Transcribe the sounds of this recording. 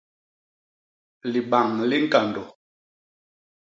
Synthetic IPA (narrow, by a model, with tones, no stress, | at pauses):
li˨ɓa˨ŋli˦ŋ̩˦ka˨ndɔ˨